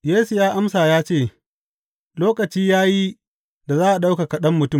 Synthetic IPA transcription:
jeː˦su˨jaː˦ʔa˦msaː˨jaː˦t͡ʃeː˦˨ | loː˦kɐ˨t͡ʃiː˦jaː˦ji˦ | da˨zaː˦ʔa˨ɗa˦wka˨kɐ˨ɗɐ˦mːʊ˨tʊ˦˨m

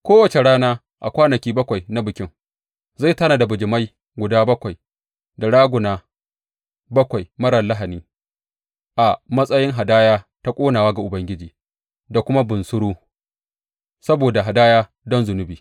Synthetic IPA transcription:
kʷoː˦wɐ˨t͡ʃe˨ɽaː˦naː˦ | ʔa˨kʷaː˦nɐ˨kʲiː˦bɐ˦kʷa˨jna˦bɪ˨kʲɪ˦ŋ | za˦˨jtaː˦naː˨da˨bʊ˨d͡ʒɪ˨ma˦j | ɡʷʊ˨daː˦bɐ˦kʷa˨j | da˨ɽaː˦ɡʷʊ˨naː˦ | bɐ˦kʷa˨jmɐ˦ɾɐ˨nla˦ɦa˨niː˦ | ʔa˨mɐ˦sʼɐ˦jɪ˦ŋɦa˨daː˦jaː˦ta˦kʷʼoː˦naː˨waː˦ɡa˨ʔʊ˨bɐ˦ŋɡʲɪ˦d͡ʒiː˨ | da˨kʷʊ˦ma˦bʊ˨nsʊ˦ɽuː˦ | sɐ˦boː˨da˨ɦa˨daː˦jaː˦ | dɔ˦nzʊ˨nʊ˦biː˨

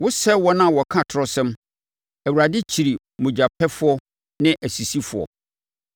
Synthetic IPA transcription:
wʊ˦sɛ˦wɔ˦nã˦˨wɔ˨kʰã˦tʰɾɔ˦sɛ̃˦m | æ˨wu˨ɾa˨dɪ˦t͡ɕʰi˨ɾi˨ | mʊ̃˨d͡ʑa˨pʰɛ˦fʊ˦ɔ˦ | nɪ̃˦ʔæ˨si˨si˦fʊ˨ɔ̰˨

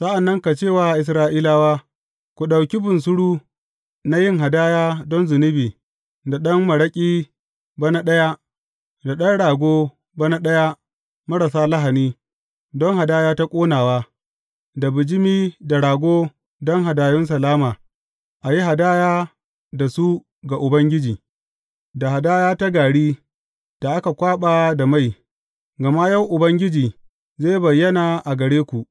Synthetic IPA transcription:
sɐ˦ʔa˨nːɐ˦ŋka˨t͡ʃeː˦˨waː˦˨ʔɪ˨s̬ɾaː˦ʔiː˦laː˦waː˦ | kʷu˨ɗa˨wkʲi˦bʊ˨nsʊ˦ɽuː˦ | na˦jɪ˦ŋɦa˨daː˦jaː˦dɔ˦nzɪ˨nɪ˦biː˨ | da˨ɗɐ˦ŋmɐ˨ɽɐ˦kʲʼiː˦ | ba˦na˦ɗɐ˦ja˦ | da˨ɗɐ˦nɽaː˨ɡʷoː˦ | ba˦na˦ɗɐ˦ja˦ | mɐ˦ɽa˨saː˦la˦ɦa˨niː˦ | dɔ˦ŋha˨daː˦jaː˦ta˦kʷʼoː˦naː˨waː˦ | da˨bɪ˨d͡ʒɪ˦miː˦da˨ɽaː˨ɡʷoː˦ | dɔ˦ŋɦa˨daː˨jʊ˦ns̬ɐ˨laː˦maː˨ | ʔa˨ji˦ɦa˨daː˦jaː˦ | da˨su˦ | ɡa˨ʔʊ˨bɐ˦ŋɡʲɪ˦d͡ʒiː˨ | da˨ha˨daː˦jaː˦ta˦ɡaː˨ɽiː˦ | d̥a˨ʔa˦ka˨kʷaː˦ɓaː˦da˨ma˦j | ɡɐ˨ma˦ja˦˨wʔʊ˨bɐ˦ŋɡʲɪ˦d͡ʒiː˨ | zaː˦jbɐ˨jːɐ˦naː˨ʔa˨ɡɐ˨ɽeː˦kʷu˨ʔ

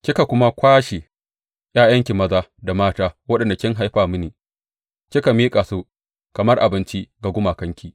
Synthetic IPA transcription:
kʲɪ˦ka˨kʷʊ˦ma˦kʷaː˦ʃe˨ | j̰aː˦jɐ˦ŋkʲi˨mɐ˦zaː˦da˨maː˦taː˦wɐ˦ɗɐ˨nda˨kʲɪ˦ŋɦa˦jɸaː˦˨mʊ˦niː˨ | kʲɪ˦ka˨miː˦kʼaː˨su˦ | kɐ˨mɐ˦rʔa˨bɪ˦nt͡ʃi˦ɡa˨ɡʷʊ˦maː˨kɐ˦ŋkʲiː˦

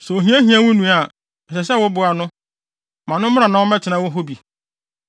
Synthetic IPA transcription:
sɛ˨o˨ɦĩ˦æ̃˦ɦĩ˦ã˦wʊ̃˦nũ˨a˨ | ɛ˨ɕɛ˨ɕɛ˦wʊ˦bʊ˨a˨nʊ̃˦ | mã˨nʊ̃˦m˦ã˨nã˨˦wʊ˦mɛ̃˦t͡ɕʰɪ˨nã˦wʊ˦ɦo˦bi˨

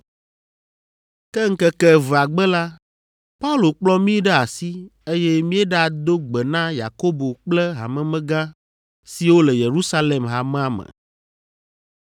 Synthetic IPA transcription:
kɛ˦ŋ̩˦kɛ˦kɛ˦və˨a˨ɡ͡bɛ˦la˦ | pa˦u˦lo˨k͡plɔ˦mĩ˦ɖɛ˦a˨si˦e˦jɛ˦mĩ˦ɛ˦ɖa˨d̪o˦ɡ͡bɛ˨nã˦ja̰˨ko˦bo˨k͡plɛ˦ɦa̰˨mɛ̃˨mɛ̃˦ɡã˦ | si˨wo˦lɛ˨je˨ɾu˦sa˦le˨mɦa˨mɛ̃˦a˨mə̰̃˨

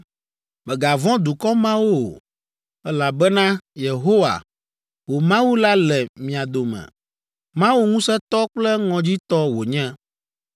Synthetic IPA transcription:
mɛ̃˨ɡa˨vɔ̃˦d̪u˨kɔ˦mã˦wo̰˦˨ | ɛ˦la˨bɛ˦nã˦je˨ɦo˦wa̰˨ | wo˨mã˦wu˦la˦lɛ˨mĩ˨a˨d̪o˨mɛ̰̃˨ | mã˦wu˦ŋũ˦sɛ˦t̪ɔ˦k͡plɛ˦ŋɔ̃˨d͡ʑi˦t̪ɔ˦wo˨ɲɛ̃˦

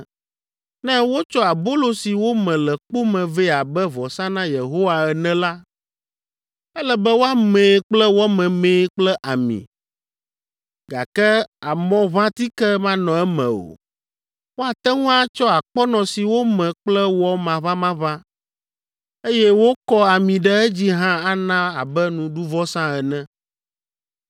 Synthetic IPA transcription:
nɛ̃˦wo˦t͡ʃɔ˦a˨bo˦lo˨si˨wo˦mɛ̃˨lɛ˨k͡po˦mɛ̃˨vɛ˦a˨bɛ˦vɔ˨sã˦nã˦je˨ɦo˦wa˨ɛ˨nɛ̃˦la˦ | ɛ˦lɛ˨bɛ˦wo˦a˦mẽː˨k͡plɛ˦wɔ˦mɛ̃˨mẽː˨˦k͡plɛ˦ʔa˨mḭ̃˨ | ɡa˨kɛ˦a˨mɔ̃˦vã˦t̪i˦kɛ˦mã˦nɔ̃˨ɛ˦mɛ̰̃˨o̰˨ | wo˦a˨t̪ɛ˦ŋũ˦a˦t͡ʃɔ˦a˨k͡pɔ˦nɔ̃˨si˨wo˦mɛ̃˨k͡plɛ˦wɔ˦mã˨βã˦mã˦vã˦ | e˦jɛ˦wo˦kɔ˦a˨mĩ˨ɖɛ˦ɛ˦d͡ʑi˦ɦã˦a˦nã˦a˨bɛ˦nũ˨ɖu˦vɔ˦sã˦ɛ˨nɛ̃˦

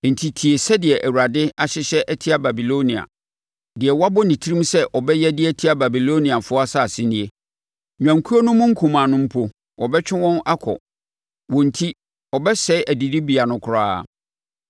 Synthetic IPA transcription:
n̩˨tʰi˨tʰi˨e˨sɛ˦dɪ˨ɛ˨ʔæ˨wa˨dɪ˦a˨ɕɪ˦ɕɛ˦ʔæ˦tʰi˦a˦ba˨bi˨lo˦nĩ˨a̰˨ | dɪ˨ɛ˨wa˦bʊ˦nĩ˨tʰi˦ɾĩ˦msɛ˦ʔɔ˨bɛ˦jɛ˦dɪ˦ɛ˦tʰi˦a˦ba˨bi˨lo˦nĩ˨a˨fʊ˦a˦sa˦˨sɪ˦nĩ˨e˨ | ɲᶣã˨ŋ˨kʰu˦o˦nʊ̃˦mʊ̃˦ŋ̩˦kʰũ˨mã˨nʊ̃˦m̩˦pʰʊ˦ | wɔ˨bɛ˦t͡ɕᶣɪ˦wɔ̃˦na˦kʰɔ̰˨ | wɔ̃˨n˨tʰi˦ | ɔ˨bɛ˦sɛ˦ɪ˦ʔæ˨di˨di˦bi˨a˨nʊ̃˨kʰʊ˨ɾaː˦˨

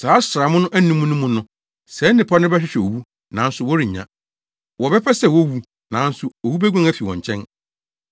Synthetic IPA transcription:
saː˨˦sɾa˨mʊ̃˦nʊ̃˦ʔæ˦nũ˦mũ˦nʊ̃˦mũ˦nʊ̃˦ | sɛ˨˦nɪ̃˨pʰɔ˦nɪ̃˦bɛ˦ɕᶣɪ˦ɕᶣɛ˨o˨wu˦ | nã˨˦n̩˦sʊ˨wɔ˦ɾi˨ɲã̰˦ | wɔ˨bɛ˦pʰɛ˦sɛ˨wo˦wu˦ | nã˨˦n̩˦sʊ˨o˨wu˦bæ˦ɡʷã˦ŋæ˦fi˨wɔ̰̃˨ɲ˨t͡ɕʰɛ̃˦n

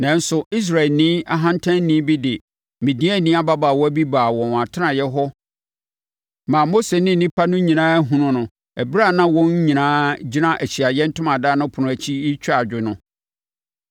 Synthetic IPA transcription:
nã˨n̩˦sʊ˨i˦s̬ɾa˨ɪ˨lnɪ̃˦a˦ɦã˦ntʰã˦nnːĩ˦bi˦dɪ˨ | mɪ̃˨dĩ˦æ˦˨nĩ˦a˦ba˦baː˨wɔ˦æ˦bi˦baː˨wɔ̃˨n˨a˨tʰɪ˦nã˨jɛ˦ɦɔ˦ | mã˨mo˦se˨nɪ̃˦˨nĩ˦pʰa˦nʊ̃˦ɲĩ˨nãː˦ɦũ˨nʊ̃˦nʊ̃˨ | æ˨bɾa˦˨nã˦wɔ̃˦ɲ˦ɲĩ˨nãː˦d͡ʑi˦nã˦ʔæ˨t͡ɕi˨a˨jɛ˦n̩˦tʰʊ̃˦mã˨daː˦nʊ̃˦pʰʊ˨nʊ̃˦æ˨t͡ɕʰi˦i˦t͡ɕʰᶣa˨d͡ʑᶣɪ˨nʊ̃˨

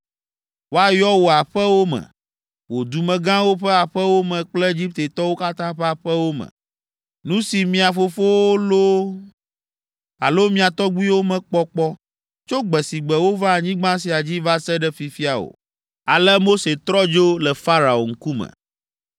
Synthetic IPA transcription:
wo˦a˨jɔ˦wo˨a˨ɸɛ˦wo˦mɛ̰̃˨ | wo˨d̪u˨mɛ̃˨ɡã˦wo˦ɸɛ˦a˨ɸɛ˦wo˦mɛ̃˨k͡plɛ˦e˦d͡ʑi˦p̚t̪e˨t̪ɔ˦wo˦ka˦t̪ã˦ɸɛ˦a˨ɸɛ˦wo˦mɛ̰̃˨ | nũ˦si˨mĩ˨a˨fo˦fo˦wo˦lo˦ | a̰˨lo˦mĩ˦a˨t̪ɔ˦ɡ͡bu˦i˦wo˦mɛ̃˨k͡pɔ˦k͡pɔ˦ | t͡ʃo˦ɡ͡bɛ˨si˨ɡ͡bɛ˨wo˦va˦a˨ɲĩ˦ɡ͡bã˦s̬i˨a˨d͡ʑi˦va˦sɛ˦ɖɛ˦fi˨fi˦a˨wo̰˨ | a˨lɛ˦mo˦se˨t̪ɾɔ˦d͡ʒo˦lɛ˨fa˦ɾa˨o̰˨ŋ̩˦ku˦mɛ̰̃˨

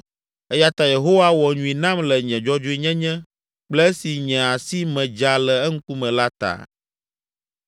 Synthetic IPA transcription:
ɛ˦ja˦t̪a˨je˨ɦo˦wa˦wɔ˨ɲũ˨i˨nã˦mlɛ˨ɲɛ̃˨d͡ʒɔ˦d͡ʒo˦i˦ɲɛ̃˦ɲɛ̃˦ | k͡plɛ˦si˨ɲɛ̃˨a˨si˦mɛ̃˨d͡ʒa˨lɛ˨ɛ˦ŋ̩˦ku˦mɛ̃˨la˦t̪a̰˨

